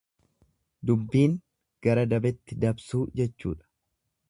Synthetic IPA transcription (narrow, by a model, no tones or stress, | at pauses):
d̪ʊbːiːŋ | ɡ̥ɐɾɐd̪ɐbɛt̪ːɪd̪ɐbsuːd͡ʒɛt͡ʃːṵːᶑɐ̥